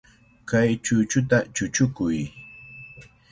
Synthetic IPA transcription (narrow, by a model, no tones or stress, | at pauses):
kajt͡ʃʊt͡ʃʊt̪at͡ʃʊt͡ʃʊkʊj